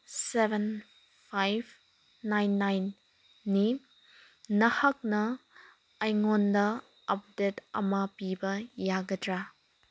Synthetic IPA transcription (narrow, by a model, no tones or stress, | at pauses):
sebʱen | pʰajbʰ | najnːajnː | i | nɐhɐk̚nɐː | jŋondɐ | ɐp̚detɐ̰mɐpibɐjaɡɐdɾa